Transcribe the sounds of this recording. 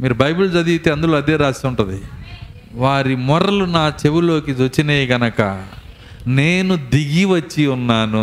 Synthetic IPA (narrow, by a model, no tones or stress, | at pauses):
miːɾubɐjbuld͡ʒɐd̪iit̪eːɐnd̪uloːɐd̪eːɾaːsiuɳʈund̪i | ʋaːɾimɔɾɐlunaːt͡ʃewulo̞ːkiɐt͡ʃːineːɡɐnɐkɐ̰ | ne̞ːnud̪iɡiʋɐt͡ʃːiunːaːnu